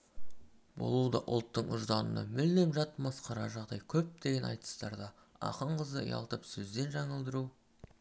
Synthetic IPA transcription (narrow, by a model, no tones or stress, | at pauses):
bo̞̰lˠuwd̪ɑʔʊ̰lˠt̪ːəɴʊʒd̪ɑnə̰nɑ̰mɪld̪emʒɑt̪mɑsqɑɾɑʒɑʁd̪ɑjkʲʰɵp̚d̪̥e̞ɡʲe̞nɑ̰jt̪ə̥st̪ɑɾd̪ɑ | ɑ̰qəɴqʰəzəə̰jɑ̰lˠt̪əpsɵzd̪e̞nʒɑɴəlˠd̪əɾu